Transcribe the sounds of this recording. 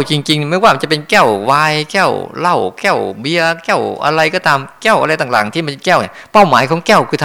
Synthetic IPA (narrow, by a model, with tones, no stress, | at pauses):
t͡ɕi˧ŋt͡ɕi˧ŋni˥˩ma˥˩waː˥˩ma˧n˩t͡ɕa˨˩pe˧nkɛ˥˩wwaː˧jkɛ˥˩wla˧˥˩wkɛ˥˩wbi˧ɐkɛ˥˩wʔa̰˧ɾa˧jkɔː˥˩t̪aː˧mkɛ˥˩wʔa˧ɾa˧jt̪aː˨˩t̪aː˨˩˦ŋt̪ʰiː˥˩ma˧nkɛː˥˩wnḭ˧˩ | pa˥˩wmaː˨˩˦jkʰɔː˩˦ŋkɛː˥˩wkʰɯː˧t̪ʰ